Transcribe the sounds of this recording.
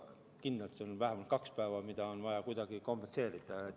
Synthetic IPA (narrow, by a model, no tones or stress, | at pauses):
kind̪ɑlt̪seonvæɦemɑlt̪̚kɑkspæevɑmid̪̥ɑonvɑjɑkujd̪̥ɑɡ̥iko̞mpense̞ːɾid̪̥ɑe